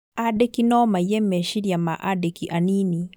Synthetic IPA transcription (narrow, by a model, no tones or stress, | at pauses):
adɛkinɔmajɛmɛʃiɾjamaʔadɛkiʔanini